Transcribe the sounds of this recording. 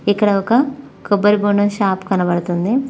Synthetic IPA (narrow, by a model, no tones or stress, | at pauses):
ikːɐɽɐɔkɐ | kobɐɾibuɳɐʃaːpkɐnɐbɐɽɐt̪und̪i